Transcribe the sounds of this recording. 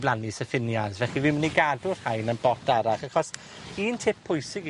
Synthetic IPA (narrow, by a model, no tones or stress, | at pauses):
blˠanisəfɪnjazvɛχivɪməniɡadʊr̥hajnənbɔtʰaɾaχaχɔs | iːntʰɪp̚ʰːʊjsɪɡ